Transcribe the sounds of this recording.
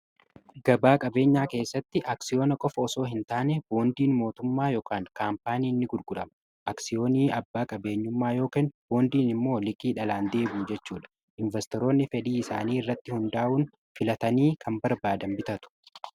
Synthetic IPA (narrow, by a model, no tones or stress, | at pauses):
ɡ̥ɐbaːkʼɐbe̞ːɲːaːke̞ːsːɐt̪ːɪʔaːksɪjo̞ːnɐkʼɔfɐɔso̞ːɦɪnt̪aːnɛbo̞ːnd̪iːnmo̞ːt̪ʊmːaːjoːkaːŋkaːmpaːniːnːɪɡʊɾɡʊᶑɐmɐ | ʔaksɪjo̞ːniːɐbːaːkʼɐbe̞ːɲːʊmːaːjo̞ːkeːnb̥o̞ːnd̪iːnɪmːo̞ːlɪkʼiːᶑɐlaːnd̪e̞ːbuːd͡ʒɛt͡ʃːuːᶑɐ̥ | ʔɪnvɛst̪ɔɾo̞ːnːɪfɛᶑiːɪsaːniːɪrːɐt̪ːɪhʊnd̪aːʔuːn | fɪlɐt̪ɐniːkʰɐmbɐɾbaːd̪ɐmbɪt̪ɐt̪ʊ̥